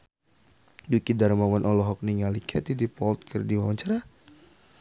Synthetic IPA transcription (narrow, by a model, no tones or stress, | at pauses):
dukidaɾmawanʔɔlɔɦɔk̚niŋalikʰɛt̪idipɔlt̪̚kʰərdiwawaɲt͡ʃaɾa